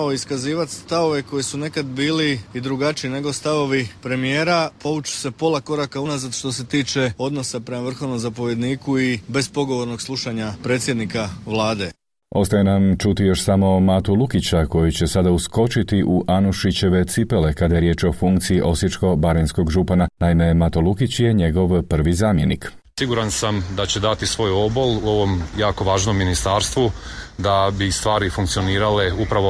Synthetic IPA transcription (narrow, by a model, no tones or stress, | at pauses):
oiskaziːʋat̪st̪aʋo̞ʋe̞ko̞jesune̞kad̪biːliid̪ɾuɡat͡ʃiine̞ɡost̪aʋo̞ʋipɾe̞mije̞ːɾapo̞ʋut͡ʃu̥se̞po̞lˠako̞ɾakaunazat̪ʃt̪o̞s̬e̞t̪iːt͡ʃe̞o̞d̪no̞sapɾe̞maʋr̩xo̞ʋnomzapo̞ʋje̞d̪niːkuibe̞spo̞ɡo̞ʋo̞ɾno̞ɡslˠuʃaɲapɾe̞ːt̪sʲje̞d̪nikaʋlˠaːd̪e | o̞̰st̪ajenamt͡ʃut̪ijo̞ʃsamo̞maːt̪ulˠukit͡ɕako̞jut͡ɕe̞sad̪ausko̞t͡ʃit̪iʔuʔanuʃit͡ɕe̞ʋe̞t̪sipe̞le̞kad̪aje̞ɾjeːt͡ʃo̞fuŋkt̪siiʔo̞sit͡ʃko̞baɾensko̞ɡʒupananaime̞mat̪olukit͡ɕje̞ɲe̞ɡo̞ʋpr̩ʋizaːmje̞nḭk | siɡuɾansamd̪at͡ɕe̞d̪at̪isʋo̞ːjo̞boluo̞ʋo̞mjaːko̞ʋaːʒnomːinist̪aɾst̪ʋud̪abist̪ʋaːɾifuŋkt̪sio̞niːɾaleupɾaʋo